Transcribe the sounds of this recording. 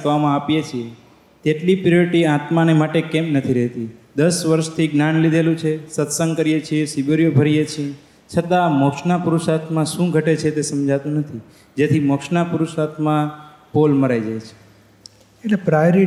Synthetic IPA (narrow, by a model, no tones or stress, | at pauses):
ʋamãapjet͡ʃʰie | t̪eʈlipɾoɾiʈiat̪manemaʈekɛmnət̪ʰiɾɛɦt̪id̪əsʋəɾʃt̪ʰiɡnanlid̪ʱelũt͡ʃʰesət̪səŋɡkəɾijet͡ʃʰiesibəɾijobʱəɾijet͡ʃʰije | t͡ʃʰət̪amɔkʃnapuɾuʃat̪mãʃũɡʱəʈet͡ʃʰet̪esəmd͡ʒat̪ũnət̪ʰi | d͡ʒet̪ʰimɔkʃnapuɾuʃat̪mã | polməɾajd͡ʒajt͡ʃʰe̥ | elepɾajɾi